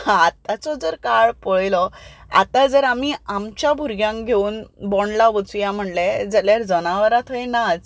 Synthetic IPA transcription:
at̪at͡sɔd͡zəɾkaɭpəɭjlɔa̰t̪ad͡zəɾamiamt͡ɕjabʱuɾɡjãŋkɡʱeuːnbɔɳlaʋət͡sujam̤əʈled͡zəljaɾd͡zənaʋəɾat̪ʰɔjnad͡z

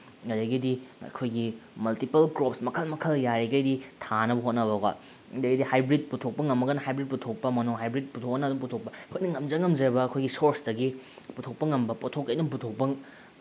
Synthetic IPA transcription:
ŋɐdɐjɡidiɐ̰kʰojɡimɐltipɐlkɾopsmɐkʰɐlmɐkʰɐljaɾiɡɐjditʰanɐbɐɦot̚nɐβɐɡɐ̰ | dɐɡidihajbɾit̚putʰok̚pɐŋɐmːɐɡɐnɐhajbɾit̚putʰok̚pɐmɐnuŋɦajbɾit̚putʰok̚ɐnɐdumputʰok̚pɐɐkʰojnɐŋɐmd͡ʒɐŋːɐmd͡ʒɐɾbɐːkʰojɡisoɾsdɐɡi | putʰok̚pɐŋɐmbɐpotʰokːɐjdump̬utʰok̚pɐŋ

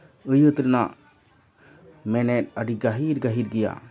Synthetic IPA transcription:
əjət̪ɾna | mɛnɛtaɽiɡaɦiɾɡaɦiɾɡija̰

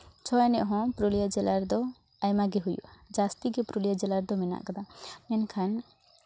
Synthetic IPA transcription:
t͡ʃʰɔanɛʔɦɔ̃pɾolijad͡ʒɛlaɾd̪ɔ | ajmaɡeɦujṵd͡ʒast̪iɡepɾolijad͡ʒɛlaɾd̪ɔmina̰ʔkɔd̪amɛnkʰan

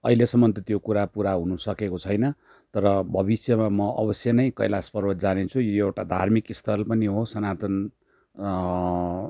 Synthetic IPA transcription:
ʌɦilesʌmːʌnt̪ʌt̪jokuɾapuɾaɦunusʌkekot͡sʰʌjnʌ | t̪ʌɾʌbʱʌbisjʌmamʌʌ̰bʌsjʌnʌjkʌ̰jlaspʌrwʌd͡zanet͡sʰujoewʈad̪ʱa̰rmikist̪ʰʌlpʌniɦosʌnat̪ʌn

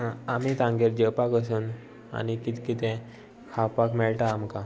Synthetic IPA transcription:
amit̪ãŋɡeɾd͡ʑəpakəs̬uːn | a̰nikit̪kit̪ɛ̃ | kʰapakmɛɭʈaːmka

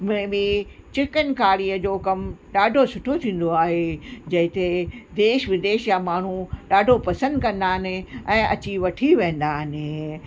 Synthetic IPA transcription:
mẽbɪ | t͡ɕɪkənkaːɾiːəd͡ʑoːkɐmɗaːɖʱosʊʈʰot̪ʰĩːn̆d̪oaːɦed͡ʑɐ̃ɦɪ̃t̪ed̪eːʃʋɪd̪eːʃjamaːɳ̤uɗaːɖʱopɐsə̃nd̪kɐ̃nd̪aːnɪ̃ɛ̃ːʔɐ̰t͡ɕiʋɐʈʰiʋẽːn̆d̪aːnɪ̃

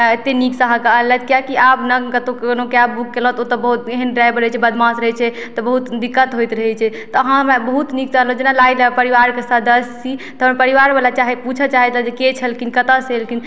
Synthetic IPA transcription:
et̪ːeniksəɦãkəəlːɛt̪kjakiapnəkət̪õonokeabukːelɔɦt̪ot̪ɔbəɦut̪eɦənɾajbɾəɦɛt͡ʃʰɛbəd̪mãsɾəɦɛt͡ʃʰɛ | t̪ɔbəɦut̪d̪ikːət̪ɦojt̪ɾəɦɛt͡ʃʰɛ | t̪ɔɦãmebəɦut̪nik̚saɦəld͡ʒenalailepəɾiʋaɾkesəd̪əst͡ʃit̪ɦppəɾiʋaɾbalat͡ʃaɦeput͡ʃʰət͡ʃaɦɛt̪ləd͡ʒeket͡ʃʰəlkinkət̪əselkin

